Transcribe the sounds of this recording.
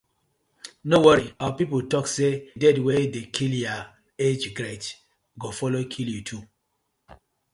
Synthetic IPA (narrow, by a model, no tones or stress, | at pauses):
nowɔɹiawapipotɔksedɛdwedekʰilja | ed͡ʒɡɾet | ɡofɔlokʰiljutʰu